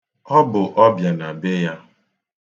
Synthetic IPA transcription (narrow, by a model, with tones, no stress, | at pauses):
ɔ˦bʊ˨ʔɔ˦bja˨na˨be˦ja˦